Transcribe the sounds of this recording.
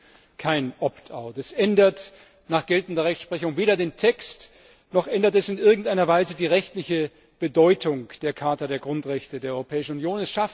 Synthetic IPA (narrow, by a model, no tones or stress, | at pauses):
kʰaɪnʔɔptʰaʊtɛsʔɛndɐt | naːχɡ̥ɛltn̩dɐʁɛçtsʃpʁ̥ɛçʊŋveːɾɐdeːntʰɛkst | nɔχʔɛndɐtɛsɪnʔɪɐɡŋ̩tʔaɪnɐvaɪzədiːʁɛçtlɪçə | b̥ədɔʏtʰʊŋd̥eːɐkʰaɐtɐdeːɐɡʁʊntʁɛçtədeːɐɔʏʁopʰɛːɪʃn̩ʊnjoːnɛsʃaf